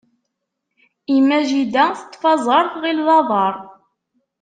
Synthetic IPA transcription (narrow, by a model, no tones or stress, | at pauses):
imːæʒid̪ænθət̪ˤːfɑzˤɑɾˤθʁilðˤɑðˤɑɾˤ